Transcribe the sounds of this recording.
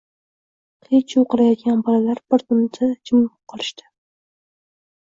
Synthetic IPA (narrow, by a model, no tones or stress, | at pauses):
qʰet͡ʃʰoqɨɾajɒt̪̚ɡʲanbɒlalaɾbɪɾt̪ʊmd̪ʰɪd͡ʒɪmʊp̚qʰːɑlˠɪʃt̪ɪ̥